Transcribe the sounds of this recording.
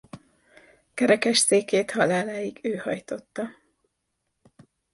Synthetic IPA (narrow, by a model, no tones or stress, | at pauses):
kɛɾɛkɛʃseːkeːt̪hɒlaːlaːjiɡøːhɒ̰jt̪o̞t̪ːɒ